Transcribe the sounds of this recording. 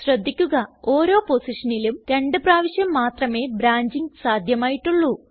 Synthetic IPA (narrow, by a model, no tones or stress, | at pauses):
ɕrɐd̪ʱːikʲːuɣɐo̞ːɾo̞ːpo̞siʂɐnilumɾe̞ɳɖɨpraːʋiɕjɐmːaːt̪rɐme̞ːbɾaːɲd͡ʑiŋɡsaːd̪ʱjɐmaːjiʈːuɭːu